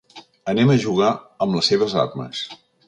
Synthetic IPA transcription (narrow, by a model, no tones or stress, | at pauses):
ənɛməʒuɣa | əmləseβ̞əza̰rmə̰s